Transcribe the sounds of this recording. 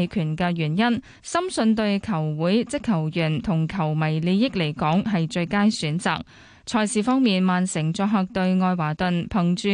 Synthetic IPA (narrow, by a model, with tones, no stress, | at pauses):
jkʰyː˨˩nkɛː˧ɥyː˨˩njɐ˥n | sɐ˥msɵ˧nt̪ɵ˧ɥkʰɐ˨˩wwuː˨˥jt͡sɪ˥kʰːɐ˨˩wjyː˨˩nt̪ʰʊ˨˩ŋkʰɐ˨˩wmɐ˨˩jli˨˧jɪ˥k̚le˨˩jkɔː˨˥ŋɦɐ˨jt͡ʃɵ˧ɥkaː˥nsyː˨˥nt͡sa̰ː˨k̚ | t͡sʰɔː˧jsiː˨˩fɔː˥ŋmiː˨nmaː˨nsɪ˨˩ŋt͡sɔː˧k̚ɦɐ˨˧k̚t̪ɵ˧ɥŋɔː˧jwaː˨˩t̪ɵ˨npʰɐ˨˩ŋt͡ʃyː˧